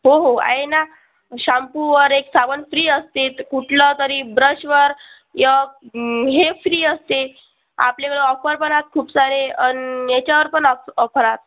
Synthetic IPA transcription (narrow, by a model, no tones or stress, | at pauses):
ɦoɦoa̰jena | ɕampuʋəɾeksaʋənfɾiːəst̪et̪kuʈʰlət̪əɾibɾəɕʋəɾ | jə | ɦefɾiːəst̪e | a̰pljekeɭeɔfəɾpəɳat̪̚kʰuːpsaɾeənjet͡ɕaʋəɾpəɳəɔfəɾat̪̚